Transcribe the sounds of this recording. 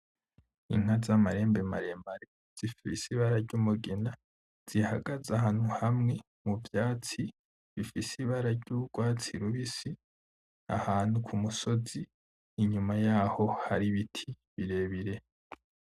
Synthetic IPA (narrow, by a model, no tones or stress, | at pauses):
ḭŋ̥hazamaɾe̞ːmbema̰ɾe̞maɾe | z̥ifisiβaɾaɾɟuːmuɡena | z̥ihaɡazahaːn̥huhamŋe̞ | muvjaːt͡si | βifisiβaɾaɾɟuɡwaːt͡siɾuβisi | a̰haːn̥hukʰumuso̞ziː | ɲumajaːho̞haɾiβitʰi | βiɾe̞ːβiɾe̞